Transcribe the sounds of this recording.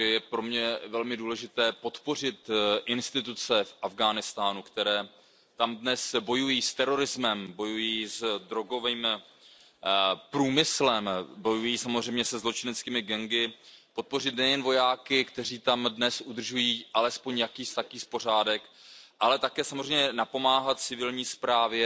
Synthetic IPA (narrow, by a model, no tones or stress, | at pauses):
ɛjɛpɾo̞mɲɛvɛlmɪduːlɛʒɪt̪ɛːpo̞t̪po̞r̝ɪt̪ʔɪnst̪ɪt̪ut͡sɛfʔavɡaːnɪst̪aːnukt̪ɛɾɛː | t̪amdnɛsbo̞jujiːst̪ɛɾo̞ɾɪzmɛmbo̞jujiːzd̪ɾo̞ɡo̞viːm | pɾuːmɪslɛmbo̞jujiːsamozr̝ɛjmɲɛsɛzlo̞t͡ʃɪnɛt͡skiːmɪɡɛŋɡɪpo̞t̪̚po̞r̝ɪt̪nɛjɛnvo̞jaːkɪkt̪ɛriːt̪amdnɛsʔud̪r̩ʒujiːʔalɛspo̞ɲjakiːst̪akiːspo̞r̝aːdɛkʔalɛt̪akɛːsamorɛjmɲɛnapo̞maːɦat̪̚t͡sɪvɪlɲiːspɾaːvjɛ